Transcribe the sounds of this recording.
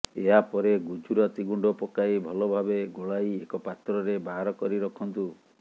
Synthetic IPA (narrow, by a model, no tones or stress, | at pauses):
eɦapɔɾeɡud͡ʒuɾɔt̪iɡuɳɖɔpɔkaibʱɔlɔbʱabeɡoɭajekɔpat̪ɾɔɾebaɦɾɔkɔɾiɾɔkʰɔnt̪u